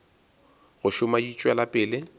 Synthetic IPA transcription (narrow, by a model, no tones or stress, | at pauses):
ɣʊʃʊmadit͡ʃʼwɛlapʼɪːlɪ